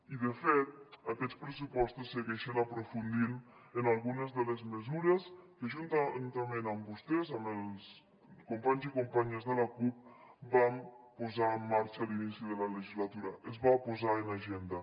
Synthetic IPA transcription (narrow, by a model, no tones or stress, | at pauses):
iðəfet̪̚akɛt͡spɾəsupɔst̪usːəɣɛʃənəpɾofund̪inənalˠɣunəzðələzməzuɾeskəʒunt̪nt̪əmenəmbust̪ɛzaməlˠs | kumpaɲzikumpaɲeəzðələkup̚bampuzaəmːaɾt͡ʃəlinisiðələləʒizlat̪uɾɐʔəzβapuzaənaʒend̪ə